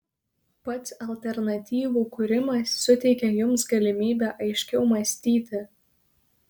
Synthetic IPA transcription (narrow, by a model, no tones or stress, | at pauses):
pɐt̪sɐlʲt̪ʲɛɾnɐt̪ʲiːʋuːkʊɾʲɪmɐsːʊt̪ʲɛɪkʲɛjʊmsɡɐlʲɪmʲiːbʲæːʔɐɪʃʲkʲɛʊmɐsʲt̪ʲiːt̪ʲɪ